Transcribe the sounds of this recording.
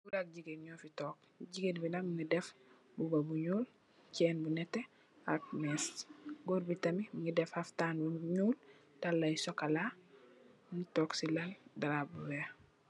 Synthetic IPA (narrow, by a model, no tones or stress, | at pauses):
buɾak̚ɟiɡenɲoːfitɔːk̚ | ɟiɡenbinamŋidɛf | bubabuɲuːl | cɛːnbunɛte | ak̚nesɡoɾbitɐmimuŋidɛfaftanbuɲuːl | talːajsokala | ŋitɔksilaldaɾabuwe